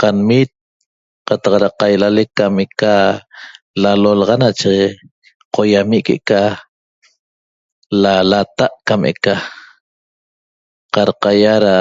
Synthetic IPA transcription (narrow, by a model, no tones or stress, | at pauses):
qanmiːt̪̚ | qɑt̪ɑqɾaqajlalekːameka | lalolɑʁanat͡ʃe | qʰojamiʔkḛʔka | lalat̪aʔkamʔḛka | qɑɾqajaɾa